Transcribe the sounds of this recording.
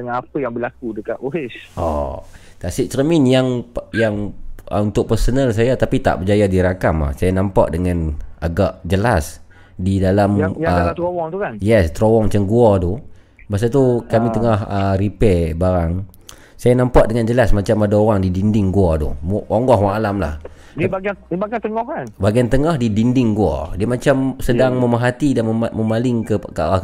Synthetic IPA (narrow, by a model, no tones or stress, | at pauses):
dəŋanapəjaŋbəlak̚udəkat̪oɦesʔɔ̰ | t̪asik̚st̪ɾəminjaŋjaŋʔəunt̪ʊʔ̚pərsonəls̬ajat̪apit̪a̰ʔbəd͡ʒajadiɾakama̰hsajanãmpa̰ʔdəŋãna̰ɡaʔd͡ʒəlas | didalamət̪ɾowɔŋt̪ukanjɛst̪ɾowɔŋmat͡ʃamɡuat̪u | bas̬at̪ukamit̪əŋahəripɛbaɾaŋ | sajanampaʔ̚dəŋand͡ʒəlasmat͡ʃamadaoɾaŋdidindɪŋɡuad̪ṵmoŋɡɔɦwaŋalamla̰h | dibaɡibaɡat̪əŋɔhkanbaɡiant̪əŋahdidindɪŋɡua̰diəmat͡ʃamsədaŋməmaɦat̪idanəməmalɪŋkəkəa̰a